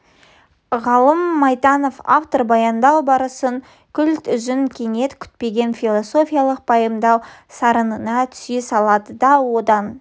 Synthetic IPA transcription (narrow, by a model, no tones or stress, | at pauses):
ʁɑlˠəmːɑjt̪ɑno̞fa̰ft̪o̞rbɑjɑnd̪ɑwbɑɾəsəŋ | kʲʰʏlt̪ʏʒɪŋkʲʰe̞ŋe̞t̪kʲʰʏ̥t̪̚pe̞ɡʲe̞nfʲilˠo̞so̞fʲijalˠəq̚pʰɑjəmd̪ɑwsɑɾənənɑt̪ʰʏ̥sesɑlˠɑd̪əd̪ɑwo̞d̪ɑn